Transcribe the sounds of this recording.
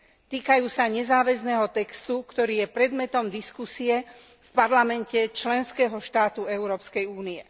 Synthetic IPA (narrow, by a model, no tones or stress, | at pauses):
t̪iːkajuːsaɲɛzaːʋɛznɛːɦɔt̪ɛkst̪ukt̪ɔɾiːjɛpɾɛd̪mɛt̪ɔmd̪iskusiɛ | fpaɾlamɛncɛt͡ʃlɛnskɛːɦɔʃt̪aːt̪uɛʊɾɔːpskɛjuːniɛ